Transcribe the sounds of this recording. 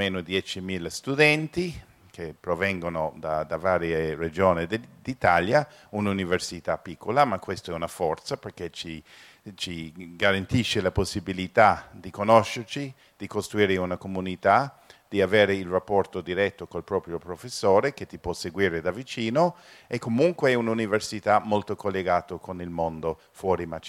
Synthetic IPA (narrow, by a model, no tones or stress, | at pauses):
meːnod̪jɛt͡ʃimilast̪ud̪ɛnt̪i | kʰepɾovɛŋɡonod̪ad̪avaːɾjered͡ʒoːnid̪ed̪it̪alja | ununiversit̪apːikʰːolamakːwest̪oɛunafɔrt̪saperket͡ʃi | t͡ʃiɡaɾant̪iʃːelaposːibilit̪ad̪ikonoʃːert͡ʃi | d̪̥ikost̪ɾuiːɾeunakomunit̪ad̪̥iaveːɾeilrapːɔrt̪od̪iɾɛt̪ːokolpɾɔːpɾjopɾofesːoːɾeket̪ːipwɔseɡwiːɾed̪avit͡ʃiːno | ɛkːomuŋkweɛununiversit̪amolt̪okolːeɡaːt̪okonilmond̪o | fwɔːɾimat͡ʃ